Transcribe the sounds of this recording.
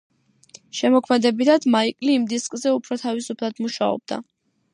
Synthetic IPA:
ʃɛmɔkʰmɛd̪ɛbit̪ʰad̪̥maikʼliːmd̪iskʼzɛupʰɾɔt̪ʰavisupʰlˠad̪muʃaɔ̰b̚d̪̥a̰

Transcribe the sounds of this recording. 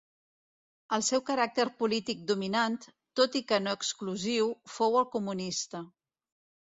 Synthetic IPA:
əlˠsɛwkəɾak̚t̪əɾpulit̪ik̚d̪uminant̪ːot̪ikənoəkskluziwfowəlˠkumunist̪ə

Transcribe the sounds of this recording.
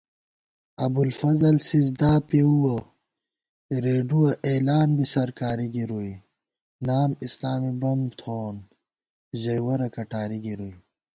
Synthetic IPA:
ɐbulfɐzɐlsizd̪aːpeuwɐ | ɾeːɖuwɐʔeːlaːnbisɐɾkaːɾiɡiɾui | naːmislaːmibɐmt̪ʰoːn | ʑɐjwɐɾɐkɐʈaːɾiɡiɾui

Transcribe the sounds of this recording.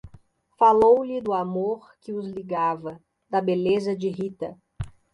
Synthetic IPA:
falowlɪd̪ʊamoɾkɪʊzliɡavɐ | d̪ɐbelezɐd͡ʒɪɦit̪ɐ

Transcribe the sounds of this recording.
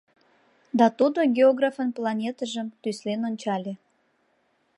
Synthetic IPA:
d̪ɑt̪ud̪oɡʲeoɣrafənplɑnʲet̪əʒəmt̪yslenonʲt͡ɕɑlʲe

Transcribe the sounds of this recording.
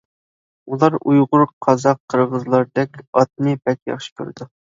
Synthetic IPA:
ulˠɑɾujʁʊɾqʰɑzɑqʰːəɾʁəzlˠɑɾd̪ɛkʲɑt̪̚nɨbɛkʲjɑ̰χʃɨ̥kʲʰø̰ɾd̪u

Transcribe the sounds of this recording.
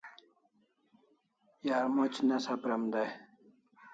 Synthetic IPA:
jaːɾmot͡ɕnasapɾɐmd̪aj

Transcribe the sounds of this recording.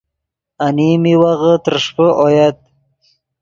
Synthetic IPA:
animiwaɣət̪əɾʂpəʔojad̪̚

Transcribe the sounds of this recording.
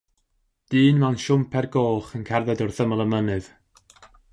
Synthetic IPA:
d̥iːnmɛnʃʊmpʰɛrɡoːχənkʰɛrðɛdɔrθəməlˠəmənɨð

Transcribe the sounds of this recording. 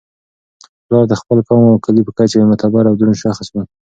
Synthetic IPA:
plɑɾd̪əxpəlkɑmawkalipəkat͡ʃaemat̪abaɾawd̪ɾunʃɑxəsma

